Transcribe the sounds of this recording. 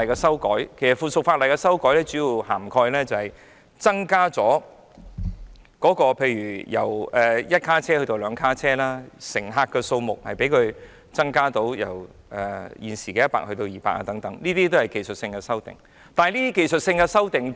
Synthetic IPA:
jkɛː˧sɐ˥wkɔ̰ː˨˥jkʰe˨˩jsɐ˨˩tfuː˨˩sʊ˨k̚faː˧tlɐ˨˩jkɛ˧sɐ˥wkɔː˨˥jlɛː˥t͡syː˨˥jiː˨˧whaː˨˩mkʰɔː˧jlɛː˥t͡sɐ˨hɐ˨˩j | t͡sɐ˥ŋkaː˥t͡sɔː˨˥ | kɔː˨˥kɔː˧pʰe˧jɥyː˨˩jɐ˨˩wɛː˨jɐ˥t̚kʰaː˥t͡sʰɛː˥hɵ˧ɥt̪o˧wlœː˨˧ŋkʰaː˥t͡sʰɛː˥laː˥sɪ˨˩ŋɦaː˧kːɛː˧so˧wmʊ˨k̚hɐ˨jpe˨˥jkʰɵ˨˧ɥ | t͡sɐ˥ŋkaː˥t̪o˧˥wjɐ̰˨˩w | ʔɛː˨˩jiː˨˩nsiː˨kɛː˧jɐ˥t̚pa̰ː˧k̚hɵ˧t̪o˧wjiː˨˩pa̰ː˧˥kʔa̰ː˧t̪ɐ˨˥ŋt̪ɐ˨˦˥ŋniː˥t̪iː˥t̪̬o˥hɐ˨˩jke˨jsɵ˨t̚sɪ˧ŋkɛː˧sɐ˥wt̪ɪ̰˨˩ŋ | t̪aː˨ɐ˨˧liː˥t̪i˥ke˨jsɵ˨t̚sɪ˧ŋkɛ˧sɐ˥wt̪ɪ˨ŋ

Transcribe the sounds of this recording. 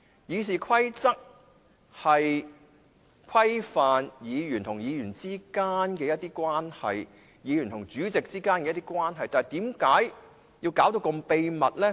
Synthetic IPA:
jiː˨˧siː˨kʰɐ˥jt͡sɐ˥k̚ | hɐ˨j | kʷʰɐ˥jfaː˨njiː˨˧jyː˨˩nt̪ʰʊ˨˩ŋjiː˨˧jyː˨˩nt͡siː˥kaː˥nkɛː˧jɐ˥t̪ːiː˥kwaː˥nhɐ̰˨j | jiː˨˧jyː˨˩nt̪ʰʊ˨˩ŋt͡syː˨˥t͡sɪ˨k̚t͡siː˥kaː˥nkɛ˧jɐ˥t̪iː˥kwaː˥nɦɐ˨jt̪aː˨˩jt̪iː˨˥mkaː˨˥j | ji˧wkaː˨˥wt̪o˧wkɐ˧mpe˧jmɐ˨t̚lɛ˥

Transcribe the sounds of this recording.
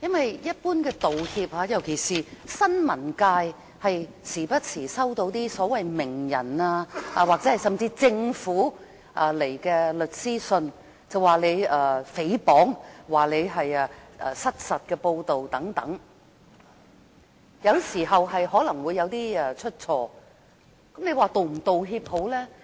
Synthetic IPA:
jɐ˥nwɐ˨jjɐ˥t̚puː˥nkɛː˧t̪o˨whiː˧p̚haː˨˥jɐ˨˩wkʰe˨˩jsiː˨sɐ˥nmɐ˨˩nkaː˧j | hɐ˨j | t͡sʰiː˨˩pɐ˥t̚t͡sʰiː˨˩sɐ˥wt̪o˧wt̪iː˥sɔː˨˥wɐ˨jmɪ˨˩ŋjɐ̰˨˩naː˧aː˧waː˨k̚ɛː˨˥hɐ˨˩jsɐ˨mt͡siː˧t͡sɪ˧ŋfuː˨˥ | ʔa˧le˨˩jkɛː˧lɵ˨t̚siː˥sɵ˧n | t͡sɐ˨˩waː˨le˨˧jɐː˨˧fe˨˥jpɔː˨˥ŋwaː˨˩le˨˧jɦɐ˨jaː˧ɐː˨˧sɐ˥t̚sɐ˨t̚kɛː˧po˧wt̪o˨wt̪ɐ˨˥ŋt̪ɐ̰˨˥ŋ | jɐ˨˧wsiː˨˩ɦɐ˨wɦɐ˨jɦɔː˨˥lɐ˨˩ŋwuː˨˧jɐ˨˧wt̪iː˥ɛ˨˧t͡ʃʰɵ˥t̚t͡sʰɔː˧ | kɐ˨˥mle˨˧jwaː˨t̪o˨m̩˨˩t̪o˨wɦiː˧p̚ho˨˥wlɛː˥

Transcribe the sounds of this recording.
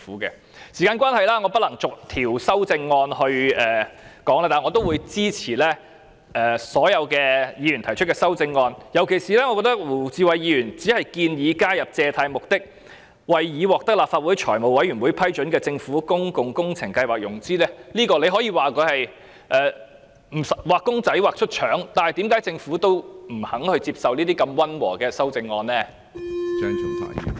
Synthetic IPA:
uː˨˦˥kɛ̰ː˧ | siː˨˩kaː˧nkʷaː˥nhɐ˨jlaː˥ŋɔː˨˧pɐ˥t̚lɐ˨˩ŋt͡sʊ˨k̚t̪ʰiː˨˩wsɐ˥wt͡sɪ˧ŋːɔː˧nhɵ˧ɥɛː˨kɔː˨˥ŋlaː˧t̪aː˨˩ŋɔ˨˧t̪o˥wuː˨˧jt͡siː˥t͡sʰiː˨˩lɛː˥ | ɛː˨sɔː˨˥jɐ˨˧wkɛː˧jiː˨˧jy˨˩nt̪ʰɐ˨˩jt͡ʃʰɵ˥t̚kɛː˧sɐ˥wt͡sɪ˧ŋːɔː˧njɐ˨˩wkʰe˨˩jsiː˨˩lɛ˥ŋɔ˧kɔː˧˥t̪ɐ˥k̚wuː˨˩t͡siː˨˧wɐ˨jjiː˨˧jyː˨˩nt͡siː˨˥hɐ˨jkiː˧njiː˨˧kaː˥jɐ˨p̚t͡sɛː˧t̪ʰaː˧jmʊ˨k̚t̪ɪ˥k̚ | wɐ˨jjiː˨˧wɔː˨k̚t̪ɐ˥k̚laː˨p̚faː˧t̚wuː˨˥jt͡ʃʰɔː˨˩jmo˨˩wɐ˨˥jɥy˨˩nwuː˨˥jpʰɐ˥jt͡ʃɵ˨˥nkɛː˧t͡sɪ˧ŋfuː˨˥kʊ˥ŋkʊ˨ŋkʊ˥ŋt͡sʰɪ˨˩ŋkɐ˧jwaː˨˩k̚jʊ˨˩ŋt͡siː˥lɛː˥liː˥kɔː˧le˨˧jɦɔː˨˥jiː˧waː˨kɔ˨˧hɐ˨j | ʔɛː˨ | m̩˨˩sɐ˨waː˨kːʊ˥ŋt͡sɐ˨˥jwaː˨k̚t͡ʃʰɵ˥t̚t͡ʃʰœː˨˥ŋt̪aː˨nhɐ˨jt̪iː˨˥mkaː˨˥jt͡sɪ˧ŋfuː˨˥t̪o˥wm̩˨˩hɐ˨˥ŋhɵ˧ɥt͡siː˧p̚sɐ˨wniː˥t̪iː˥kɐ˧mwɐ˥nwɔ̰ː˨˩kɛː˧sɐ˥wt͡sɪ˧ŋːɔː˧nlɛː˥ | œː˦˥ŋt͡ʃʊ˨˩ŋt̪a̰ː˨˥ḭ˨˩

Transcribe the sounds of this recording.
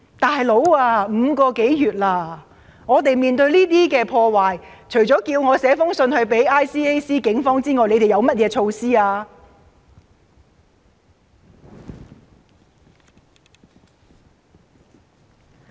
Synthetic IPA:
t̪aː˨˩jlo˨˥waː˧m̩ː˨˧kɔː˧ke˨˥jjyː˨t̚laː˧˩ | ŋɔː˨˧t̪e˨jmiː˨nt̪ɵ˧ɥliː˥t̪iː˥kɛː˧pʰɔː˧waː˨jt͡ʃʰɵ˨˩t͡ʃɔː˨˥kiː˧wŋɔː˨˧sɛː˨˥fʊ˥ŋsɵ˧nhɵ˧ɥpe˨˥jʔaː˥jsiː˥e˥jsiː˥kɪ˨˥ŋfɔː˥ŋt͡siː˥ŋɔː˨˩jle˨˧t̪e˨jɐ˨˧wmɐ˥t̚jɛː˧t͡ʃʰo˧wsiː˥aː˧

